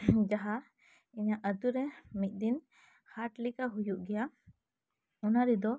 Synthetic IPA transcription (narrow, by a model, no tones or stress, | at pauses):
d͡ʒaɦa | iɲaʔəd̪uɾɛmic̪̚ˀd̪in | haʈlikaɦujuʔɡɛja | ɔnaɾɛd̪ɔ